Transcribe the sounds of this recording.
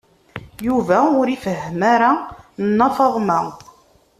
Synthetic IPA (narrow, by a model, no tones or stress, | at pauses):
juvæʊɾifəɦːəmaɾannːɑfɑðˤmæ